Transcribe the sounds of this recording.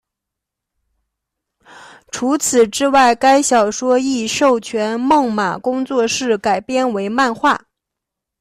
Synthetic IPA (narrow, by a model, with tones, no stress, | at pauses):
ʈ͡ʂʰu˧˥t͡sʰɹ̩˨˩ʈ͡ʂɻ̩˥wa˥˩ɪka˥ɪɕjɑ˨˩ʊʂwɔ˥i˥˧ʂo˥˩ʊt͡ɕʰɥɛ˧˥nmɤ˥˩ŋma̰˨˩kʊ˥ŋt͡swɔ˥˧ʂɻ̩˥˩ka˨˩ɪpjɛ˥˧nwe˧˥ɪma˥˧nxwa˥˩